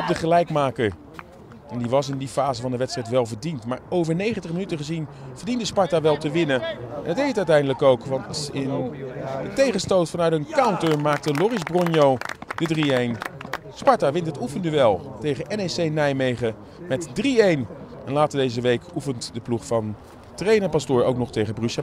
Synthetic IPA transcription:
ɔb̚dəχəlɛjkmaːkəɹ | ɛndiʋɑsɪndifaːzəvɑndəʋɛtstrɛjtʋɛlˠvəɹdintmaːɹowvəɹnejχəntəχmənytəχəzinv̥əɹdindəspɑɹtaːʋɛlˠtəʋɪnəɛ̰nɑtejətœɥtɛjndələkowkʋɑntɪnətejχənstowtfɑnœɥtənkawntəɹmaːk̚təlʊrɪzbrɔnjowd̥ədriejn | spɑɹtaːʋɪntətufəndyʋɛlˠtejχəʔɛnesejnɛjmejχə | mɛtdriejn | ɛnlaːtədejzəʋejkufəntdəpluχfɑn | trejnəpɑstʊːɹo̰wknɔχtejχəbryʃɛ

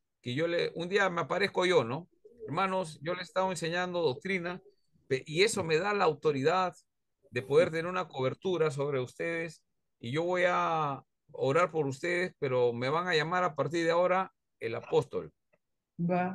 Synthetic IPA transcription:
keʝo̞leund̪iameapaɾe̞skoʝo̞no̞ | eɾmano̞s̬ʝo̞lese̥st̪aβoense̞ɲand̪o̞ðo̞k̚t̪ɾina | peʔie̞so̞me̞ðalaːwt̪o̞ɾiðað | d̪e̞po̞ðe̞ɾt̪eneɾunako̞βe̞ɾt̪uɾas̬o̞βɾe̞ust̪e̞ð̞e̞s | iʝo̞βo̞ja | oɾaɾpo̞ɾus̬t̪e̞ðe̞spe̞ɾo̞me̞βaŋaʝamaɾapaɾt̪̬iɾðeao̞ɾa | elapo̞st̪o̞̰l | ba

